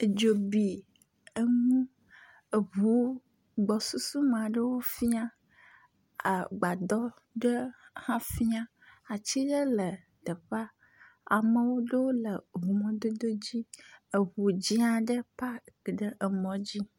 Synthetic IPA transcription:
e˨d͡ʒo˨bi˨ | ə˦ŋũ˦ | ə˨βu˨˦ | ɡ͡bɔ˨su˦su˦mã˨ɖə˦wo˦fi˦a˦ | a˨ɡ͡ba˨d̪ɔ˦ | ɖə˦hã˦fi˦a˦ | a˨t͡ɕi˦ɖə˦lə˨ | d̪ə˨ɸa˦ | a̰˨mə˨wo˦ɖə˦wo˦lə˨ɦu˨mɔ̃˨d̪o˦d̪o˦d͡ʑi˦ə˨βu˨d͡ʑi˦a˨ɖə˦pa˦˨ɖə˦ʔə˨mɔ̃˨d͡ʑi˦

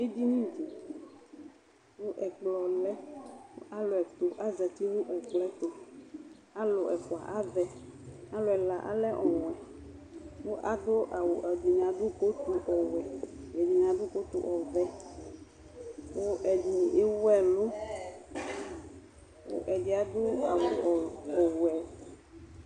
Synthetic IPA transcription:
e˦d͡ʒi˦nĩ˦d͡ʒi˨ | wo˦ʔɛ˨k͡plɔ˨lɛ˦wo˦ʔa˦lo˨ɛ˨t̪o˨ʔa˦zɛ˨t̪i˦nũ˦ʔɛ˨k͡plɛ˦t̪o˦ | a˦lo˨ʔɛ˨ko˨a̰˨ʔa˦vɛ˨a˦lo˨ɛ˨la˨ʔa̰˦lɛ˦ʔɔ˨wɛ˨ | wo˦ʔa˦d̪o˦ʔa˨wo˨ʔɛ˨d̪u˨ɲã˨ɖo˦ko˦t̪u˨ʔɔ˨wɛ˨jɛ˨du˨ɲã˨ɖo˦ko˦t̪u˨ʔɔ˨vɛ˦ | wo˦ʔɛ˨du˨e˦wɛ˦˨lo˦ | wo̰˦˨ʔɛ˨d͡ʒi˦a˨d̪o˦a˨wo˨ɔ˨wo˨ɛ˨

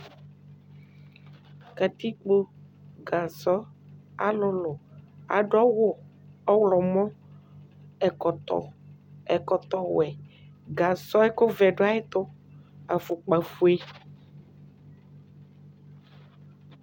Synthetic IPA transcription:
ka˨t̪i˦k͡po˦ | ɡa˨sɔ˦a̰˨lʊ˦lo˨a˨ɖɔ˦wo˦ | ɔ˦wlɔ˨mɔ̃˦ | ɛ˨kɔ˨tɔ̰˨ɛ˨kɔ˨t̪ɔ˦wɛ˨ | ɡa˨sɔ˦ɛ˦ko˦vɛ˨ɖo˦a˦e˦t̪o˦a˨fu˨k͡pa˨fu˦e˦

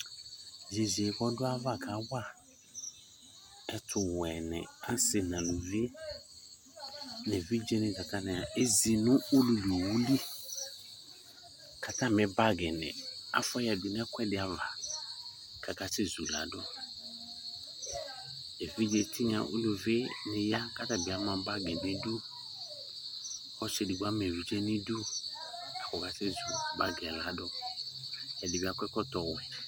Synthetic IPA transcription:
ze˨ze˨ɡɔ˦dʊ˦a˦va˦˨kʰa˨˦wa˦˨ | ɛ˦tʰʊ˨wɛ˨nɪ̰̃˨a˦sɪ˨nã˨nũ˨vi˦ | nɛ̃˨vi˦d͡ʒe˦nɪ̃˨ka˨tʰã˦nɪ̃˨a˨ʔe˦zi˨nʊ̃˦o˦lu˨du˨o˨wu˦li˦ | kʰa˨tʰã˦˨mɪ̃˨ba˦ɡɛ˨nɪ̰̃˨a̰˦fɔ˦ja˨di˨n˦ɛ̃˦kʷʰɛ˦dɪ˨a˨va˨ | ka˨ka˨se˦˨zu˨la̰˨˦dɔ˦ | ɛ˨vi˦d͡ʒe˨tʰi˦ɲa̰˨ʔṵ˦nu˨ve˦nɪ˨ja˦ka˦ta˨bi˨a˨˦mã˨˦ba˦ɡɛ˨ni˨du˦ | ɔ˦ʃɛ˨di˨ɡʷa˦m˨ɛ˨vi˨d͡ʒɛ˦ni˦du˦ | a˨kɔ˨ka˦se˦zu˨ba˦ɡɛ˨la˨˦dɔ˦ | ja˨di˨bi˨a˨kʷɛ˦kɔ˦tɔ˨wɛ˨

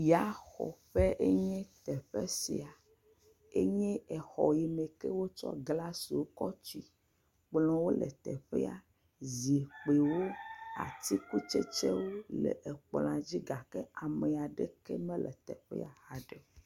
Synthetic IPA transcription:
ja˨˦xɔ̰˨ɸe˦ʔe˦ɲɛ̃˦t̪ɛ˨ɸe˦si˨a˨ | e˦ɲɛ̃˦ɛ˨xɔ˨ji˨me˨ke˦wo˦t͡ʃɔ̰˦ɡla˦si˨wo˦kɔ˦t͡ʃi˦ | k͡plɔ̃˦wo˦lɛ̰˨t̪ɛ˨ɸɛ˦a̰˦ | zi˨k͡pe˨wo˦a̰˨t̪i˦ku˦t͡ʃe˦t͡ʃe˦wo˦lɛ̰˨ʔe˨k͡pl̃ã˨d͡ʑi˦ɡa˨kɛ˦a˨me˨a˨ɖe˦ke˦mẽ˦lɛ̰˨t̪ɛ̰˨ɸɛ̰˦a˨ha˨ɖe˨˦

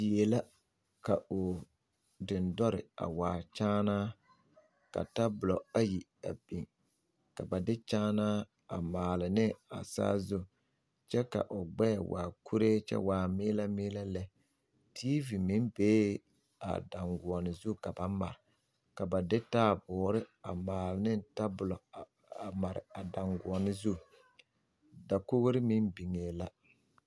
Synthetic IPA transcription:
je˨la˦ | ka˨ʊ˨ | dɪ˨ndɔ˦ɾɪ̰˨a̰˨waː˨t͡ʃaː˦naː˦ | ka̰˨ta˦bʊ˨lɔ˨a˦ji˨ | a̰˨bi˨ŋ | ka˨ba˨dɪ˦t͡ʃaː˦naː˦ | a˨maː˨lɪ˨nɪ˦a̰˨sa̰ː˦zʊ˦ | t͡ʃɛ˦ka̰˨ʔʊ˨ɡ͡bɛː˦˨wa̰ː˨kʰu˦ɾe˦t͡ʃɛ̰˦waː˨mɪː˦la˦mɪː˦la˦lɛ˦ | tʰiː˦vi˨mi˦nbeː˦ | a̰˨da˨ŋɡʊ˨ɔ˨nɪ˨zu˦˨ka˨ba˦ma̰˨ɾɪ˨ | ka˨ba˨dɪ˦taː˦bʊː˨ɾɪ˦a˨maː˨lɪ˨nɪ˦n˦ta˦bʊ˨lɔ˨ | a˨ma˨ɾɪ̰˨a˨da˨ŋɡu˨ɔ˨nɪ˦zu˦˨ | da˨ko˦ɣɾɪ˦mi˦nbi˨ŋeː˨la˦

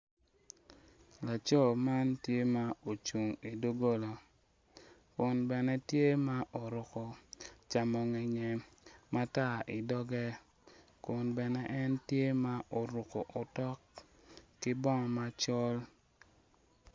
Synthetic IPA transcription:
la˨t͡ʃɔ˦˨ma˦ntje˦ma˦o˨t͡ʃu˨ŋi˨do˦ɡo˦lo˨ | kʊ˨nbɛ˨nɛ˦tje˦ma˦ʔo˨ɾʊ˨kɔ˨t͡ʃa˨mɔ˨ŋɛ˨ɲɛ˨ma˦ta˦ʔɪ˨dɔ˦ɡɛ˦ | kʊ˨nbɛ˨nɛ˦ʔɛ˦ntje˦ma˦ʔo˨ɾʊ˨kɔ˨ʔo˨tɔ˦kː | ɪ˦bɔ˦ŋ˨ma˦t͡ʃɔ˦l

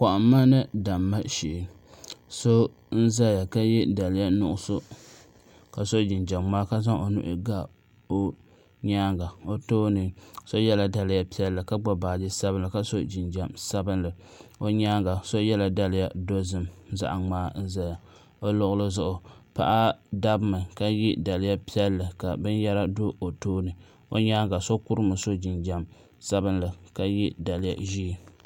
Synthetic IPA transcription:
kɔ˨ʔʊː˨˦a˦nɨ˦da˨mːa˦ʃi˨ʔɪ˨ | so˦ | n̩˦za˦ja˨ka˦jɛ˦da˨lɪ˨ja˦nʊ̰˨ʔʊ˨sʊ˦ | ka˨so˦d͡ʒɪ˨nd͡ʒa˨mːaː˦ka˦za˦ŋʔo˨nṵ˦˨ʔɪ̰˦ɡa˦ | o˦ | ɲaː˦ŋɡa˨o˦toː˦nɨ˦so˦jɛ˦la˨da˨lja˦pi˦ɛ˦lːɨ˨ka˦ɡ͡bɔ˦baː˨d͡ʒɪ˦sa˦bɨ˦nla˨ka˦so˦d͡ʒɪ˨nd͡ʒa˨msa˦bɨ˦nlɨ˨ | o˦ɲaː˦ŋɡa˨so˦jɛ˦la˨da˦lɪ˦ja˨do˦zɨ˨mza̰˨ʔa˨ŋ͡maː˦n̩˦za˨ja˨ | o˦lʊ˦ɣʊ˦lɨ˦zʊ˦ʔʊ˨pa̰˦ʔa˦da˦bmɨ˨ka˦ji˦da˨lɪ˦ja˦pi˦ɛ˦lːɨ˨ka˨bɨ˦njɛ˦la˦do˦o˨toː˦nɨ˨ | o̰˦ɲaː˦ŋɡa˨so˦ku˦ɾɨ˦mɨ˨so˦d͡ʒi˨nd͡ʒa˨m | sa˦bɨ˦nlɨ˨ka˦ji˦da˨lɪ˦ja̰˨ʒiː˦

